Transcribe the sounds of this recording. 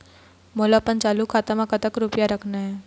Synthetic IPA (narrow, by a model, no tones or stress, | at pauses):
molapənt͡ʃaːlukʰaːt̪amãkət̪əkɾupjaɾəkʰnaɦɛː